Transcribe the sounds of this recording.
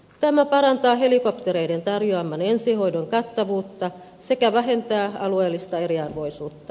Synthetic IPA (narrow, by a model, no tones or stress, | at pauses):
t̪æmæpɑɾɑnt̪ɑːɦe̞likopt̪eɾejdent̪ɑrjoɑmːɑnensihoidoŋkɑt̪ːɑʋuːt̪ːɑ | se̞kæʋæɦe̞nt̪æːɑ̰lueːlːist̪ɑeɾiɑrʋo̞isuːt̪ːɑ